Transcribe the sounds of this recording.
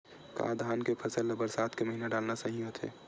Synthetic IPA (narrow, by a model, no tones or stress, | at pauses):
ka̰ːd̪ʱaːnkepʰɐsəlːɐbəɾsaːt̪ʰkeməɦinaɖaːlnasɐɦĩot̪ʰḛː